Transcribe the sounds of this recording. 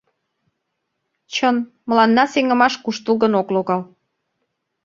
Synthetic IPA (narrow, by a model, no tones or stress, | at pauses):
t͡ɕən | mə̆lɑnːɑseŋə̆mɑʃkuʃt̪əlɣənokloɣɑl